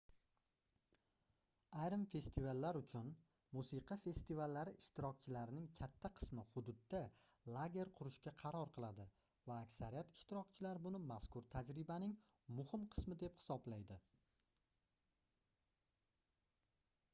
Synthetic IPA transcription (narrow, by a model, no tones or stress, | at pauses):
ajɾɪmfe̞st̪ʰivalːaɾʊt͡ʃʰʊn | musiqʰɑfe̞st̪ivalːaɾɪʔɪʃt̪ɪɾɒk̚ʲt͡ʃʰɪlaɾɪnɪŋkʲʰat̪ʰːaqʰɨ̥smɪhʊd̪ʊd̪ːa | lˠaɡʲe̞ɾqʰʊɾɪʃkʲaqʰɑɾɒɾqʰɨlˠad̪ɪ | vaːkʲsaɾijat̪ɪ̥ʃt̪ɪɾɒk̚ʲt͡ʃʰɪlaɾbʊnɪmaskʊɾt̪ʰad͡ʒɾɪbanɪŋ | mʊhɪmqʰɨ̥smɪd̪e̞phɪ̥sɒblajd̪ɪ